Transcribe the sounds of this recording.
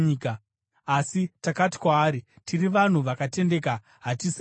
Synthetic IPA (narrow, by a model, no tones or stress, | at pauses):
ka | asitakati̥kwaːɾi | tiriʋan̤uʋakate̞nde̞ːka | ɦatis